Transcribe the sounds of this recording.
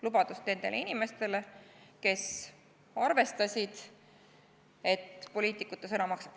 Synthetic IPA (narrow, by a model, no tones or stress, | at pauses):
lubɑd̪ust̪ne̞nd̪̥e̞lʔeinime̞st̪e̞le̞ke̞s | ɑrve̞st̪ɑsʲid̪̥ | e̞t̪ːpo̞liːt̪ˑikːut̪ːˑɑsɤnɑmɑksɑ̥p